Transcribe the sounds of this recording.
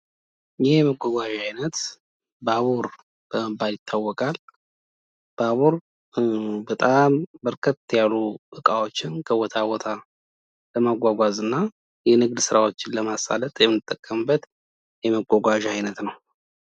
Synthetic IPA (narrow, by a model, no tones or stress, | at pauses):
jɛməɡʷɔɡʷaʒajnət̪ | baβuɾ | b̥əməbaljɪt̪ʰːawːɔkʼal | b̥aβuɾ | bət̪ʼambəɾkʰət̪ːjaluʔɨkʼawot͡ʃːɪnkʰəwɔt̪ʰawɔt̪ʰa | ləmaɡʷaɡʷazɨnːa | jɛnɨɡd̪sɨɾawo̞t͡ʃːɪnləmasa̰lət̪ʼjɛmɨnːɨt̪ʼːəkʼːəmɨbːət̪ | jɛməɡʷɔɡʷaʒajnət̪nəw